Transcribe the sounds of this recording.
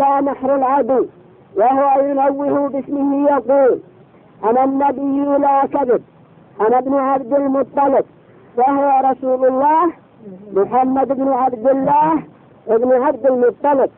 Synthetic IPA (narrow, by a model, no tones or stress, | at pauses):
laːnaħɾʊlʕad̪l | wahʊwajʊnawːɪhʊbɪsmɪhɪjɑquːl | ʔananːabɪjːʊlakab̪ɪb̚ | ʔanabnʕabd̪ɪlmʊt̪ˤːɑlɪb̚ | waɦʊwaɾˤɑsuːlʊlˤːɑːh | mʊħamːad̪ɪbnʕabd̪ɪlːaːh | ʔɪbnʕab̚d̪ɪlmʊt̪ˤːɑlɪb̚